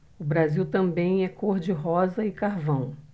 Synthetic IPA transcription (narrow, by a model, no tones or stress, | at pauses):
ʊbɾaziwt̪ɐ̃mbẽj̃ɛkoɾd͡ʒɪɦɔzɐɪkaɾvɐ̃w̃